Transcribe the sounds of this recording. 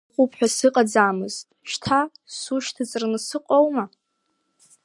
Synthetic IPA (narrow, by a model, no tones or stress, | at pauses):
χʷʼupʰħᶣasɨqʼad͡zaːmɨztʼʃtʰasuʃtʰɨt͡sʼɨrnɨsɨqʼowma